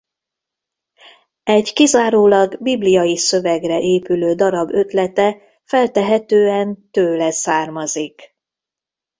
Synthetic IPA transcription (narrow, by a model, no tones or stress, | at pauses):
ɛɟkizaːɾoːlɒɡbiblijɒjisøvɛɡrɛʔeːpyløːd̪ɒɾɒbø̞t̪lɛt̪ɛ | fɛlt̪ɛɦɛt̪øːɛnt̪øːlɛsaːrmɒzik